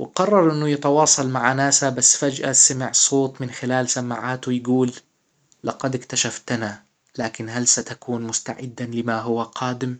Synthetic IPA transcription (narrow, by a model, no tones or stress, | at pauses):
wʔɪqɑrˤːɑɾˤʔɪnːujɪt̪ɑwɑːsˤɑlmaʕanaːsabasːfad͡ʒʔasamɪʕsˤoːt̪ˤmɪnxɪlaːlsamaʕaːt̪wɪjɡuːlː | ɑqɑd̪ɪkt̪aʃaft̪na | laːkɪnɦalsat̪akuːnmʊst̪a̰ʕɪd̪ːalɪmaɦʊwaqʰaːd̪ɪm